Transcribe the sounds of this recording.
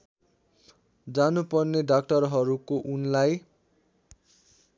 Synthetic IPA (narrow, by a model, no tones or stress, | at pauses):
d͡zanupʌrneɖak̚ʈʌrɦʌɾukoʔunlaj